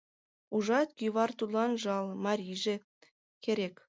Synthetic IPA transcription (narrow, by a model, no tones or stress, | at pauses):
uʒɑt̪̚kyβɑrt̪ud̪lɑnʒɑlmɑɾʲijʒĕ | keɾek